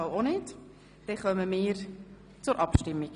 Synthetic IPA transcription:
ɑlonet | d̥ɛχœməmɪːɾ | t͡sʊɾʔɑpʃtɪmːiɡ̥

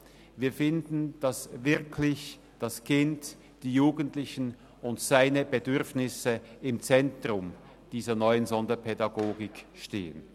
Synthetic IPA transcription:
viːɐfɪndn̩d̥asvɪɐkʰlɪç | d̥askʰɪnt | d̥iːjuːɡəntlɪçən̩ | ʊntsaɪnəbədʏʁfnɪsəɪmt͡sɛntʁʊm | d̥iːzɐnɔʏənzɔndɐpʰɛdɑɡoːɡɪkʃtḛːə̰n

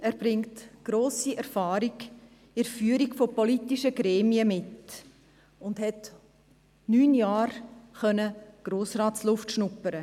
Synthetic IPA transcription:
æːɾb̥ɾɪŋtɡ̥ɾoːsiʔɛɾfɑːɾik | ɪɾfyːɾiɡfopolitiʃəɡɾɛːmiəmɪt | ʊndɦɛt | nyːnjaːɾχœnəɡ̥ɾoːsrɑːtslʊftʃnʊpːəɾə

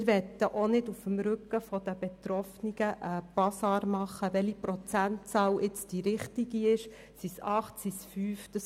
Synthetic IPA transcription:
ɾʋɛt̪ːəʔonɪdufəmɾʉkːəfɔd̥̪əb̥et̪ɾɔfniɡ̥əʔəpɑsɑːɾmɑχːəʋɛlipɾɔt͡sæntt͡sɑːwʔɪt͡sd̥iɾɪχtiɡ̥iɪʃ | sisɑχtsisfyːfd̥ɑ

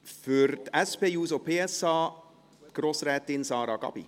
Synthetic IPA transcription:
føɾd̪ɛspeːjʉːsopʰeːɛsɑː | ɡ̥ɾɔsɾɛːt̪ɪnsɑːɾɑɡɑ̰bḭ

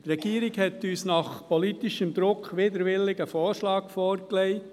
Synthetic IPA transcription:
t̪ɾɛɡ̥iːɾɪɡhɛt̪yːsnɑχpɔlit̪iʃəmd̪ɾʊkχʋɪd̪əɾʋɪlɪɡəfɔːɾʃlɑːkfɔːɾklɛɪ

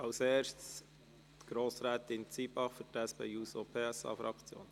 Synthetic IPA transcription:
ɑwseːʃts | ɡ̥ɾoːsɾæːt̪ɪnt͡sibɑχfʏtæspeːuːsopʰeːɛsɑ̰ːfɾɑkt͡sjo̰ːn

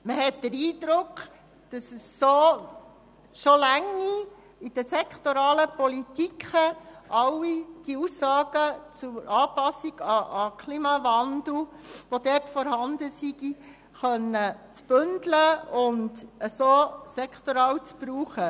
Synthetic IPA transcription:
məɦɛtd̥̪əɾiːd̪ɾʊkχ | d̥ɑsəsːo | ʃolæŋi | id̥əsɛkχtoɾɑːləpɔlit̪ikχəʔɑwid̥iusɑːɡ̥ət͡sʊʔɑːpɑsiɡ̥ɑɑkʰliːmɑvɑndl̩ʋod̥̪ɛːtfɔɾɦɑnd̪əsiɡ̥i | χœnːət͡sb̥ʏndləʊndəsosɛkχt̪oɾɑːwt͡sb̥ɾuːχə

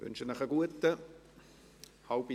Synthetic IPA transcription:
ʋʏ̰nʃənɪχəɡuətə | halb̥i

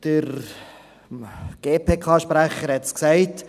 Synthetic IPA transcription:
d̥əɾ | ɡ̥eːpʰeːkʰɑːʃpɾæχəɾhɛtsksɛɪt

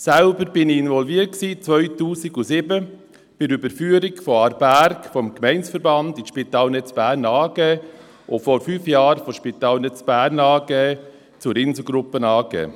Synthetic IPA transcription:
sælbəɾb̥ɪniɪnvɔlviət̚ksiːt͡sʋœʏtuːsiɡʊsɪbə | b̥ɪɾybəɾfyːəɾikfɔɑɾbæɾkfɔmkmɛɪnsfəɾbɑndɪʃpit̪ɑːlnɛt͡sb̥æːɾnɑːɡ̥ɛː | ʔofɔɾfyːfjɑːɾfɔʃpit̪ɑːlnɛt͡sb̥æːɾnɑːɡ̥ɛː | t͡sʊɾɪnzl̩ɡɾʊpːənɑːɡɛ̰ː

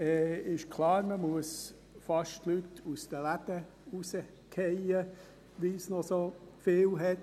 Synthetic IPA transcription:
ɛːɪʃkʰlɑːɾməmuəs | fɑʃtlytustəlæd̥ə | usə | kʰɛjə | ʋisnɔsofɪːlɦɛt

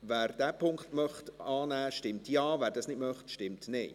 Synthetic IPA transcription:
ʋæːɾd̥æpʰʊŋkχtmœχtɑːnæːʃtɪmtjɑːvæːɾdɑsnɪdmœχtʃtɪmtnɛɪ

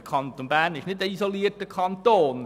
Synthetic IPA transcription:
kʰɑnt̪onbæːnɪʃnɪtəisoliərtəkʰɑntoːn

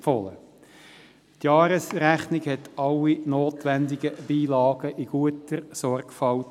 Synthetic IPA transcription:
fɔlə̰ | tjɑːɾəsɾæχnɪɡhɛtɑlːinoːtʋænd̪ɪɡəb̥iːlɑːɡ̥əʔiɡ̥uətəɾsɔrɡfɑl

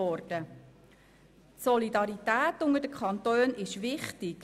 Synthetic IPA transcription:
ɔrd̥ə | tsɔlidɑɾitæːtːʊŋəɾd̥əkʰɑntøːnʔɪʃʋɪχtɪk

